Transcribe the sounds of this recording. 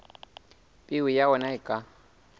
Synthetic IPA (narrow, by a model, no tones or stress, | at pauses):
pʼɪwijaɔnaɪkʼa